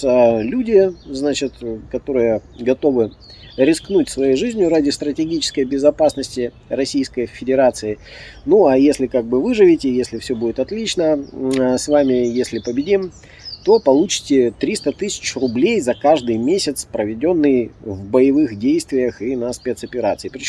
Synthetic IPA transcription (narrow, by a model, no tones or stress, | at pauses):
əlʲudʲɪznat͡ɕɪt̪kɐt̪o̞ɾɨjəɡɐt̪o̞vɨ | ɾʲɪsknut̚ʲsvɐjejʐɨzʲnʲjʊɾadʲɪst̪ɾətʲɪɡʲit͡ɕɪ̥skəjbʲɪzɐpasnəsʲtʲɪ | rɐsʲijskəjfʲɪdʲɪɾat̪sɨɪ | nuajesʲlʲɪkaɡ̚bɨvɨʐɨvʲɪtʲɪjesʲlʲɪfsʲɵbudʲɪt̪ɐt̪lʲit͡ɕnəsvamʲɪjesʲlʲɪpəbʲɪdʲim | t̪o̞pɐlˠut͡ɕɪ̥tʲɪt̪ɾʲist̪ət̪ɨsʲɪ̥t͡ɕrʊblʲejzɐkaʐd̪ɨjmʲesʲɪt̪spɾəvʲɪdʲo̞nːɨjvbəjɪvɨxdʲejst̪vʲɪjəxinɐspʲe̞t̪sɐpʲɪɾa̰t̪sɨipɾʲɪt͡ɕ